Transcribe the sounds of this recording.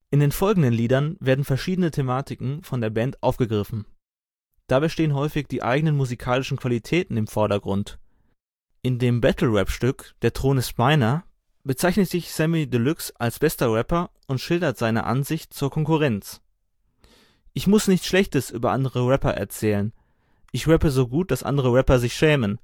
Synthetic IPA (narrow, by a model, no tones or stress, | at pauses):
ʔɪndeːnfɔlɡŋ̩dənliːdɐnveːɐdn̩fɛɐʃiːdənətʰemaːtɪkŋ̩fɔndeːɐbɛntʔaʊfɡ̥əɡʁɪfn̩ | d̥abaɪʃteːənɦɔʏfɪçd̥iːʔa̰ɪɡənənmuzikʰaːlɪʃn̩kʰv̥alitʰɛːtn̩ɪmfɔɐɾɐɡʁʊnt | ʔɪndeːmbɛtʰl̩ʁɛpʃtʏkd̥eːɐtʁ̥oːnɪstmaɪnɐ | b̥ət͡saɪçnətz̥ɪçsɛmidəlʏksʔalsb̥ɛstɐʁɛpɐʔʊntʃɪldɐtz̥aɪnə̰ʔa̰nzɪçtt͡suːɐkʰɔŋkuʁɛnt͡s | ʔɪçmʊsnɪçt͡sʃlɛçtəsʔyːbɐʔandəʁəʁɛpɐ̰ʔɛ̰ɐt͡sɛːlən | ʔɪçʁɛpəzoːɡuːt̚d̥asʔa̰ndəʁ̞əʁɛpɐzɪçʃɛːmən